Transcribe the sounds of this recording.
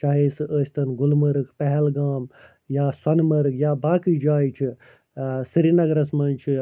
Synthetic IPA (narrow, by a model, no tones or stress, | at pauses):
t͡ʃaːɦeːsɨʔəːsʲt̪ɐnɡʊlmɐɾɨkʰpɛɦɛlɡaːm | jaːsɐnmɐɾɨkjaːbaːkid͡ʒaːjt͡ʃʰi | sɨɾinɐɡɾɐsmɐːnt͡ʃʰi